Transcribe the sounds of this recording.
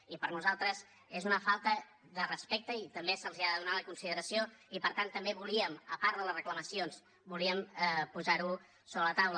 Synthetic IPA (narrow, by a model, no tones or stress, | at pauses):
ipəɾnuzalˠt̪ɾəz | ezunəfalˠt̪ə | ðərəspek̚t̪əit̪əmbesəlˠziaðəðunaləkunsiðəɾəsioipəɾt̪ant̪ːəmbeβuliəməpaɾðələzrəklˠəməsions | buliəmpuzaɾu | soβɾələt̪awlə